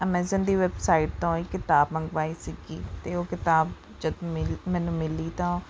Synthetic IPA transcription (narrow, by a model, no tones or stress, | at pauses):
əmɛːzənd̪iːʋɛːbsaːiːʈ̚t̪õːiːkɪt̪aːbməŋɡʋaːiːsɪɡḭːt̪eːoːkɪt̪aːb | d͡ʒəd̪mɪlmɛ̃ːnũːmɪliːt̪ãː